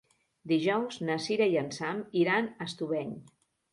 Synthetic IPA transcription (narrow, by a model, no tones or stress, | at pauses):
d̪iʒɔwznəsiɾaiənsamiɾanəst̪uβɛɲ